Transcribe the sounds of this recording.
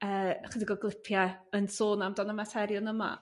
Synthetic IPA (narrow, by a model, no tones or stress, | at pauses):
əːχədiɡɔɡlˠɪpʰjaənsoːnamdɔnəmatʰɛɾjɔnəma̰